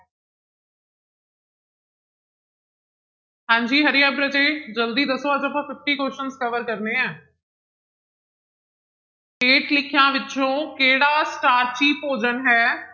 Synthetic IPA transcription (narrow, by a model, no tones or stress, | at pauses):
hãːɲd͡ʒiːɦəɾɪjãːpɾəd͡ʒeːd͡ʒəld̪iːd̪əsoːəd͡ʒəpãːt̪ʊʈʰːiːkoːʃənskəʋəɾkəɾneːɛ̃ː | keːʈlɪkʰjãːʋɪtːt͡ʃõːkeːɽaːsʈaːɾt͡ʃiːpoːd͡ʒənɦɛː